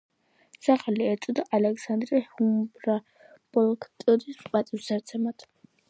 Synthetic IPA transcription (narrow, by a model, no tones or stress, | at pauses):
saχaliɛɾt̪sʼɔd̪aʔalɛkʰsand̪ɾihumbɾa | b̥ɔlˠkʰt̪ʼud̪ispʼat̪sʼiwsd̪aɾt̪sʰɛmat̪ʰ